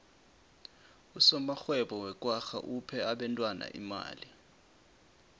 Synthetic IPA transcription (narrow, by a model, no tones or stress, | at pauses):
usɔmaxwɛɓɔwɛkʼwaxa̰ʔupʰɛaɓɛntʼwana̰ʔḭma̰ːli